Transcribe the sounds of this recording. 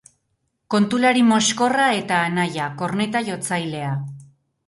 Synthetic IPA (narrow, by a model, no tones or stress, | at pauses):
ko̞nt̪ulaɾimo̞sko̞rae̞t̪aːnajako̞rne̞t̪aʝo̞t͡sajle̞a